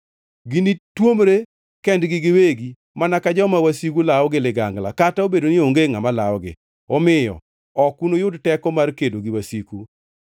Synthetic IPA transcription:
ɡinitwomɾe | kɛndɡɪɡɪweɡi | manakad͡ʒɔmawasikulaɔɡɪlɪɡa̰ŋɡla̰kataobedonɪoŋɡeŋamalaɔɡɪ̰ | ɔmɪjɔ̰ | ɔkunojʊdtɛkɔmarkedoɡɪwasiku

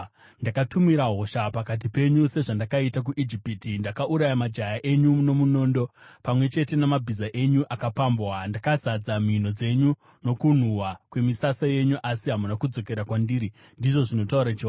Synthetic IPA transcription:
ndakatumiɾaɦo̞ʃapakat̬ipe̞ɲuse̞ʐandakaitak̬uʔid͡ʒipitindakaʔuɾajamad͡ʒajaʔe̞ɲuno̞muno̞ːndo̞pamwe̞t͡ʃe̞te̞namabʱizaʔe̞ɲuʔakapambwandakazad͡zamin̤o̞d͡ze̞ɲu | no̞kun̤uwakwe̞misasaje̞ɲuʔasiɦamunakud͡zo̞ke̞ɾakwandiːɾi | ndiʐo̞ʐino̞tauɾat͡ʃe

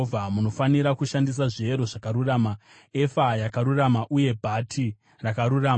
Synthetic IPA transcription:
vʱamuno̞faniɾakuʃandis̬aʐie̞ɾo̞ʐakaɾuraːma | e̞fajakaɾuramaʔuje̞bʱatʰi | rakaɾuraː

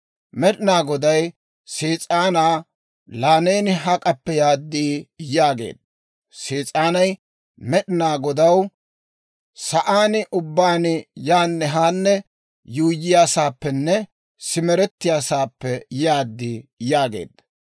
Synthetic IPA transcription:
mɛɗɪnaːɡɔd̪ɐj | siːt͡sʼaːnaː | laːne̞ːnɪɦɐkʼɐpːɛjaːd̪ːiːjaːɡe̞̰ːd̪̥̚ɐ | siːt͡sʼaːnɐj | mɛɗɪnaːɡɔd̪ɐw | sɐʔaːnɪʔʊbːaːnɪjaːnːɛɦaːnːɛ | juːjɪjaːsaːpːɛnːɛ | sɪmɛɾɛt̪ːɪjaːsaːpːɛjaːd̪ːiːjaːɡe̞̰ːd̪ɐ

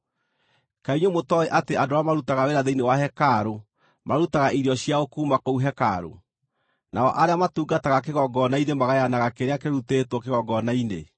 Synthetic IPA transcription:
kaiɲomotɔeʔateadoamaɾutaɣaweɾaðeinewaɦɛkaɾo | maɾutaɣaʔiɾiɔɕiaokuːmakouɦɛka̰ɾo̰ | na̰ɔ̰ʔaɾeamatuːɡataɣak̬eɣɔɡɔnainemaɣajanaɣakeɾeakeɾutetwɔkeɣɔɡɔnainḛ

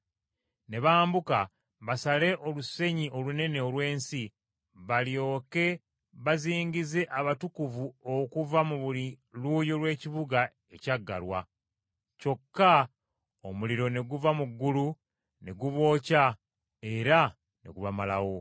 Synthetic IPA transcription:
ne̞βaːmbuka | βasale̞ʔo̞luse̞ɲiʔo̞lune̞ne̞olwe̞ːnsi | βaljo̞ːke̞ | βaziːɲɟize̞ʔaβatukuvuokuvamuβuliluːjolwe̞ːciβuɡa | e̞caɡːa̰lwa̰ | co̞kːa | omuliɾo̞ne̞ɡuvamuɡːulu | ne̞ɡuβo̞ːca | e̞ɾa | ne̞̰ɡuvamala̰wo̞

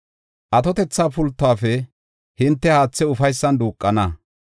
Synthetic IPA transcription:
ʔɐt̪ɔt̪ɛt͡sːaːpʊlt̪ːʊaːfɛ | hɪnt̪ːɛhaːt͡sːɛʊfɐjsːɐnd̪uːkʼːɐnɐ

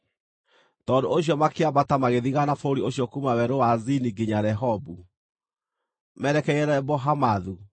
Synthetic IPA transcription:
tɔndoʔoɕ̬jɔmakeabatamaɣeðiɣanafoɾioɕjɔkumawɛɾowaziniɡiɲaɾɛɦɔbu | mɛɾɛkɛiɛɾɛbɔɦamaðu

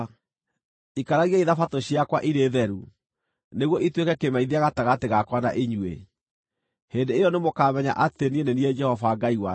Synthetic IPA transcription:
ikaɾaɣiaiðafatoɕiakwa̰ʔiɾeːðɛɾu | neɣwɔitwekɛkemaiðiaɣataɣateɣakwana̰ʔeɲwḛ | hendeːjɔnemokamɛɲa̰ʔatenieneniɛd͡ʒɛhɔvaɡaiwa

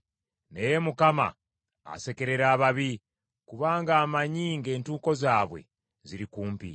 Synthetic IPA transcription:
nejemukama̰ | a̰se̞ke̞ɾe̞ɾaːβaβi | kuβaːŋɡaːmaɲiːŋɡe̞ːntuːko̞zaːβwe̞̰ | ziɾikuːmpḭ

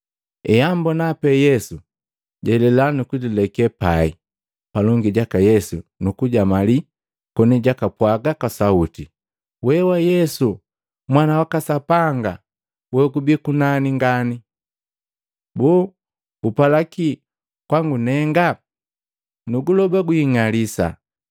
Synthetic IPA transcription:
ɛjambɔnapɛjɛsu | ɟɛlɛlanukudilɛkɛpai | palɔŋɡiɟakajɛsunukuɟamali | kɔniɟakapwaɡakasauti | wɛwajɛsu | mwanawakasapaŋɡa | wɛkubikunaniŋɡani | bu | upalaki | kwaŋɡunɛŋɡa | nuɡulɔbaɡuiŋalisa̰

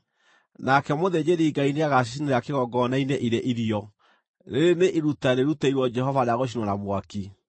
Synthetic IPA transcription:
nakɛmoðed͡ʑeɾiːɡaineaɣaʃ̬iʃineɾeakeɣɔɡɔnaineʔiɾeʔiɾiɔ | ɾeɾeneʔiɾutaɾeɾutɛiɾwɔd͡ʒɛɦɔvaɾeaɣoʃ̬inɔnamwaki

